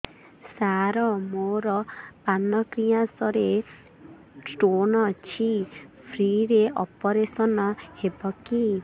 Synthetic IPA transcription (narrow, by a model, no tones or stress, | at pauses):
saɾɔmoɾɔpanɔkɾiasɔɾe | ʈonɔt͡ʃʰipʰɾiɾeʔɔpɔɾesɔnɔhebɔki